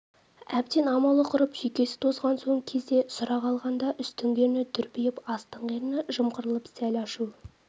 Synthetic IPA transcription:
æp̚t̪e̞nɑmɑlˠəqʰʊɾəpsʏjkʲe̞sɪ̥t̪ʰozʁɑnsoɴkʲʰe̞zd̪e̞sʊɾɑʁɑlˠʁɑnd̪ɑʔʏst̪ɪŋɡ̪ʲe̞ɾnɪd̪ʰʏɾpijɪpɑst̪əɴʁeɾnəʒəmqəɾəlˠəpsælɑʃu

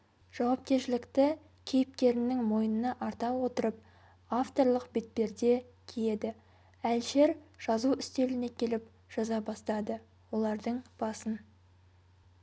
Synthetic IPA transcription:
ʒ̥ɑwɑp̚kʲe̞ɾʃɪlɪkt̪ɪ | kʲʰejɪp̚t̪ʲe̞ɾɪnɪŋmo̞jənənɑʔɑɾt̪ɑwo̞t̪əɾəp̚ | aft̪o̞ɾlˠəqbe̞t̪̚pe̞ɾd̪e̞kʲʰije̞d̪ɪ | ælʃe̞ɾʒ̥ɑzuʏst̪e̞lɪne̞kʲʰe̞lɪp | ʒ̥ɑzɑbɑst̪ɑd̪ə | wo̞lˠɑɾd̪əɴb̥ɑsən

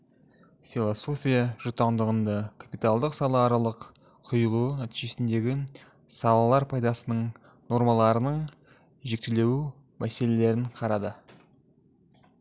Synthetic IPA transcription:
fʲilˠoso̞fʲijaʒʊt̪ɑnd̪əʁənd̪ɑkʰapijt̪ɑlˠd̪əqsɑlˠɑːɾɑlˠəq | qʰːʊjəlˠunæt̪iʒe̞sɪnd̪e̞ɡʲɪ | sɑlˠɑlˠɑɾpʰɑjd̪ɑsənəɴ | no̞ɾmɑlˠɑɾənəɴ | ʒe̞k̚t̪ele̞wu | mæse̞le̞le̞ɾɪɴqʰɑɾɑd̪ə

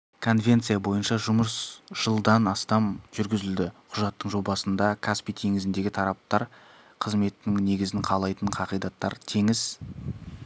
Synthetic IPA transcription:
kʰo̞nvʲe̞nt̪sɨjabo̞jənʃɑʒʊməsʒ̥əlˠd̪ɑnɑst̪ɑmʒʏɾɡʲɪzɪld̪ɪqʰʊʒɑt̪ːəɴʒo̞bɑsənd̪ɑkʰaspit̪ʰe̞ŋɪzɪnd̪e̞ɡʲɪt̪ʰɑɾɑp̚t̪ɑɾ | qʰəzme̞t̪ːɪŋne̞ɡʲɪzɪŋqʰɑlˠɑjt̪əɴqʰɑqijd̪ɑt̪ːɑ̰ɾt̪ʰe̞ŋɪz

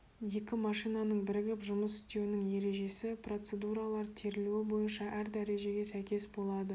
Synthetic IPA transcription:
je̞kʲɪmɑʃijnɑnəɴbɪɾɪɡʲɪpʒʊməsɪ̥st̪e̞wɪnɪŋje̞ɾe̞ʒe̞sɪpro̞t̪se̞d̪uɾɑlˠɑɾt̪ʰe̞ɾɪluwɪbo̞jənʃɑʔæɾd̪æɾe̞ʒe̞ɡʲe̞sæjkʲe̞sbo̞lˠɑd̪ə

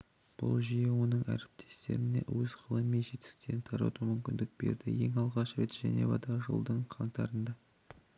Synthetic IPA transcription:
b̥ʊ̰lˠʒijewo̞nəɴæɾɪp̚t̪ʰe̞̥st̪e̞ɾɪne̞̰wɵzʁəlˠəmːenʒe̞t̪ɪ̥st̪e̞ɾɪnt̪ʰɑɾɑ̰t̪umʏmkʲɪnd̪ɪk̚b̥e̞̰ɾd̪ɪje̞ŋɑlˠʁɑʃɾe̞t̪ʒ̥æne̞vɑd̪ɑʁʒəlˠd̪əɴqʰɑɴt̪ɑɾənd̪ɑ

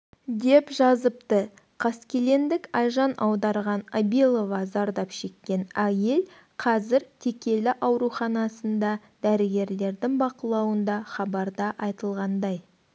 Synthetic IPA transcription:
d̪e̞pʒɑzəp̚t̪ə | qʰɑskʲe̞le̞nd̪ɪkɑjʒɑnʔɑwd̪ɑɾʁɑnabilˠo̞vɑzɑɾd̪ɑpʃe̞kʲːe̞næje̞l | qʰɑzɪɾt̪ʰe̞kʲe̞lɪʔɑwɾuχɑnɑsənd̪ɑ | d̪æɾɪɡʲe̞ɾle̞ɾd̪ɪŋbɑqəlˠɑwənd̪ɑχɑbɑɾd̪ɑʔɑjt̪əlˠʁɑnd̪ɑj

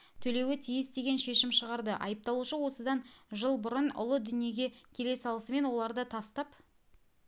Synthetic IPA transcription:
t̪ʰɵle̞wɪt̪ʰijɪst̪e̞ɡʲe̞nʃe̞ʃɪmʃəʁɑɾd̪əʔɑ̰jəp̚t̪ɑlˠuʃəwo̞səd̪ɑnʒəlˠbʊɾənʊ̰lˠəd̪ʏnije̞ɡʲe̞kʲʰe̞le̞sɑlˠəsəme̞nwo̞lˠɑɾd̪ət̪ʰɑst̪ɑp

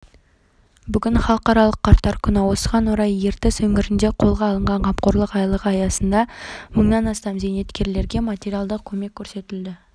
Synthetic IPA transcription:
bʏɡʲɪnχɑlˠəqɑɾɑlˠəqʰːɑɾt̪ːɑɾkʲʰʏnɪwo̞səʁɑnwoɾɑje̞ɾt̪ɪswɵŋɪɾɪnd̪e̞qʰo̞lˠʁɑːlˠəɴʁɑɴqʰɑp̚qoɾlˠəqɑjlˠəqɑjɑsənd̪ɑməɴnɑnɑst̪ɑmze̞jne̞t̪kʲe̞ɾle̞ɾɡʲe̞mat̪ʲeɾijalˠd̪əqkʲʰɵme̞kʲʰːɵɾse̞t̪ɪld̪ɪ

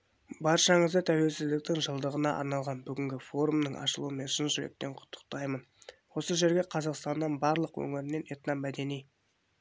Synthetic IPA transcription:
bɑɾʃɑɴəzd̪ət̪ʰæwe̞lsɪzd̪ɪk̚t̪ɪŋʒəlˠd̪əʁənɑʔɑ̰ɾnɑlˠʁɑnbʏɡʲɪŋɡʲɪfo̞ɾumnəɴʔɑ̰ʃəlˠuwəme̞nʃɪnʒʏɾe̞̰k̚t̪e̞ɴqʰʊ̥t̪ʰːə̥q̚t̪ɑjmən | wo̞səʒe̞ɾɡʲe̞qʰɑzɑqst̪ɑnːɑnbɑɾlˠəqwɵ̰ŋɪɾɪne̞net̪nɑmːæd̪e̞nij

